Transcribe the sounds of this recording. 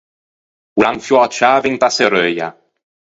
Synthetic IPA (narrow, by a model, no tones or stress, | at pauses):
wlaŋfjɔt͡ʃaːviŋt̪aseɾøja̰